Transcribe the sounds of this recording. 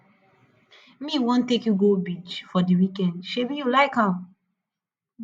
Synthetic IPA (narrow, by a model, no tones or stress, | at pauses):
miwõntːekjuɡobit͡ʃfɔdiwikɛ̃ndʃebijulaɪkhãm